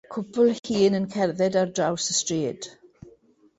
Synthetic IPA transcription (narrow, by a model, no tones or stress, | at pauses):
kʰʊpʰʊlˠhiːnənkʰɛrðɛdardrawsəstreːd̥